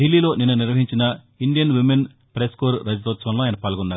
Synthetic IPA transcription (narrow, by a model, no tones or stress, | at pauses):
ɖilːiːlo̞ːninːɐniɾʋɐɦiɲt͡ʃinɐ | iɳɖijɐnʋimen | pɾeskoːɾɾɐd͡ʒt̪ɔːt̪sʋɐnloːjɐnɐpaːlɐɡunːaːɾu